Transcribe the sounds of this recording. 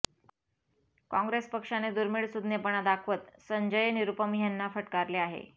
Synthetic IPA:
kɔ̃ŋɡɾespəkʂaned̪uɾmiɭsud̪njepəɳ̃ad̪akʰʋət̪səɲd͡ʑəjeniɾupəmiɦjanːafəʈkaɾleaɦḛ

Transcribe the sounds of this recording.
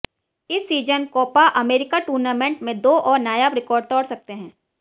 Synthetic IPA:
ɪsːiːd͡ʒənkɔːpaʔɐmeːɾɪkaʈuːɾnaːmẽɳʈmẽd̪oːʔɔːɾnaːjaːbɾɪkɔːɾɖ̚t̪ɔːɽsɐk̚t̪eɦɛ̃ː

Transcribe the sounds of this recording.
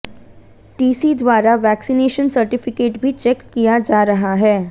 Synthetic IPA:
ʈiːsid̪ʋaːɾaʋɛːksineːʃənsɐɾʈɪfɪkeːʈbʱit͡ʃɛkːijad͡ʒaːɾɐɦaɦɛː

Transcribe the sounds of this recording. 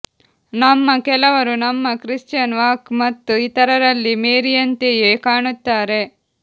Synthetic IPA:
nɐmːɐkɛlɐʋɐɾunɐmːɐkɾist͡ʃɐnʋaːkmɐt̪ːuit̪ɐɾɐɾɐlːimeːɾijɐnt̪ejeːkaːɳut̪ːaːɾe̞

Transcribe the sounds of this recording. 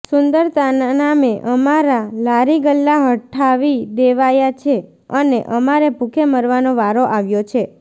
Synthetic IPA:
sʊnd̪əɾt̪annameʔəmaɾalaɾiɡəlːaɦəʈʰːaʋid̪eʋajat͡ʃʰe | əneʔəmaɾebʱukʰeməɾʋanoʋaɾoʔaʋjot͡ʃʰe

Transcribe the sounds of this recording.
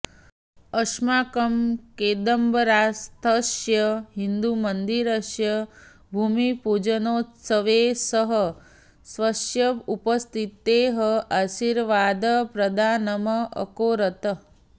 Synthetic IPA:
əʃmaːkəmkeːd̪əmbəɾast̪ʰəʃjəɦind̪umənd̪iɾəʃjə | bʱumipud͡ʒənoːtsəʋesəɦə | sʋəʃjəupəst̪ʰit̪eːɦəaʃiɾʋaːd̪əpɾɐd̪ʱaːnəməə̰koːɾət̪ə

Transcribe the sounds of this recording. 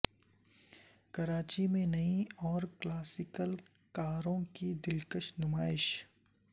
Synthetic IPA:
kɐɾaːt͡ʃimẽnɐĩɔːɾklaːsɪkəl | kaːɾõkid̪ɪlkəʃnʊmaːɪʃ

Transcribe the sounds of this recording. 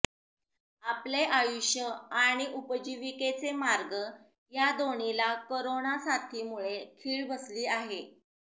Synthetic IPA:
apleʔajuɕjəaɽ̃iʔupəd͡ʑiʋiket͡semaɾɡə | jad̪oɳilakoɾonasat̪ʰiːmuɭekʰiːɭbəsliːaɦe

